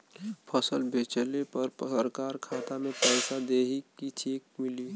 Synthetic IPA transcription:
pʰəsəlbʱet͡ʃəlepəɾəɾkaːɾkʰat̪amẽpəɪsad̪eɦikit͡ʃʰikmɪli

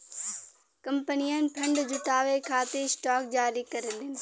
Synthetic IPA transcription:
kɐ̃mpənijənɪ̆pʰɐ̃ɳɖd͡ʑʊʈaːʋekʰaːt̪eɪsʈaːk̚d͡ʑaːɾikɐɾelɪnɪ

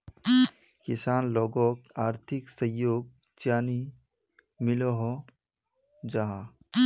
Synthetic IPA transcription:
kɪsaːnlɔːɡɔːkaːɾt̪ʰɪksəjjoːɡ̚ | t͡ʃaːni | mɪloɦo | d͡ʒaɦa

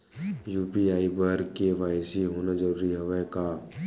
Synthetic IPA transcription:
juːpiaːibɐɾkeʋaːɪsiɦoːnad͡ʒəɾuːɾiɦɐʋəka

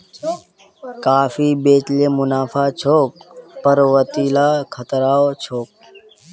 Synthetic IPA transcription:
kaːfiːbeːt͡ʃleːmʊnaːfʰaːt͡ʃʰoːk̚pəɾʋət̪iːlaːkʰət̪ɾaːot͡ʃʰoːk̚

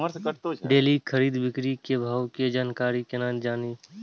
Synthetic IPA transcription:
əɾskəʈt̪oɖeːlikʰəɾiːd̪bɪkɾikebʱaːwked͡ʒaːnkaːɾikenãːd͡ʒaːniː

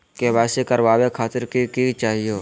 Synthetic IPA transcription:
kebaːsekɐɾʋaːwekʰaːt̪ɪɾkikit͡ʃaːɦijoː

